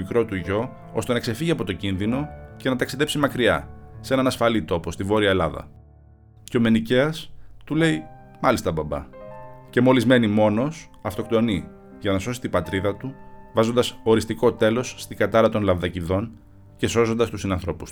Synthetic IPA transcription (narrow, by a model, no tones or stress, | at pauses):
ikɾo̞t̪uʝo̞ | o̞st̪e̞nɐkse̞fiʝiɐpo̞t̪o̞cinðino̞ce̞nɐt̪ɐksiðe̞psimɐkɾiɐ̰se̞nɐnɐsfɐlit̪o̞po̞st̪ivo̞ɾiɐelɐðɐ̰ | ceo̞me̞niceɐst̪ule̞i | mɐlist̪ɐbɐbɐ̰ce̞mo̞lizme̞nimo̞no̞s | ɐft̪o̞kt̪o̞ni | ʝɐnɐso̞sit̪ibɐt̪ɾiðɐt̪uvɐzo̞nd̪ɐsoɾist̪iko̞t̪e̞lo̞sːt̪iɡɐt̪ɐɾɐt̪o̞nlɐvðɐciðo̞n | ce̞so̞so̞nd̪ɐst̪usinɐnθɾo̞pu̥su